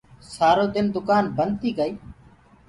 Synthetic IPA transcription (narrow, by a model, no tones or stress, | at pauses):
saːɾoːd̪ɪnd̪ʊkaːnbənt̪iːɡəiː